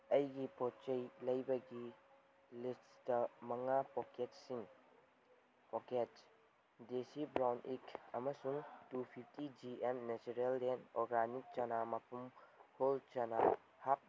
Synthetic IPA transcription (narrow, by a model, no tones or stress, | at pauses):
ɐjɡipot͡ʃɐjlɐjbɐɡi | listtɐmɐŋapoketsiŋ | poket | desibɾawnikɐmɐsuŋtupʰip̚ʰtid͡ʒiemnet͡ʃuɾelːenɔɾɡanik̚t͡ʃɐnamɐpʰumholt͡ʃɐna | hak̚